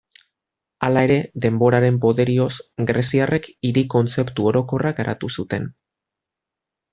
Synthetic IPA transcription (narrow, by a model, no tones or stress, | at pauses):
alae̞ɾe̞ðe̞mbo̞ɾaɾe̞mpo̞ðe̞ɾio̞sɡɾesiarʔe̞kiɾiko̞nt͡se̞pt̪uo̞ɾo̞ko̞raɡaɾʔa̰t̪usut̪e̞n